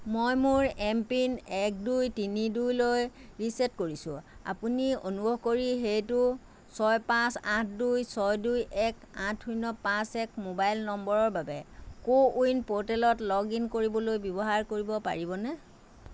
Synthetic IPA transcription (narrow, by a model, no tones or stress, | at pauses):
mojmʊɹɛmpinɛk̚dujtinidujlojɹisɛtkoɹisʊ̰̃a̰punio̰nubʱɔɦkoɹiɦejtʊ | sɔjpãsãtʰdujsɔjdujɛkãtʰujnɔpãsɛkmobajlnɔmbɔɹɔɹbabɛkoujnpotɛlɔtlɔɡinkoɹibɔlojbɔbɔɦaɹkoɹibɔpa̰ɹibɔnɛ